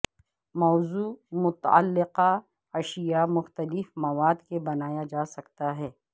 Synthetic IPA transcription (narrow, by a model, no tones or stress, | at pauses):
mɔːzuːmʊt̪a̰lːɪqa | ɐʃijamʊxt̪əlɪfmɐʋaːd̪kebɐnaːjad͡ʒaːsɐkt̪aɦɛː